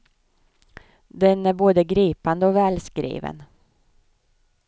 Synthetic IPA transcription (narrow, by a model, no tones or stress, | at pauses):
d̪ɛnæɾboːd̪əɡɾiːpand̪əɔvɛːlskɾḭːvə̰n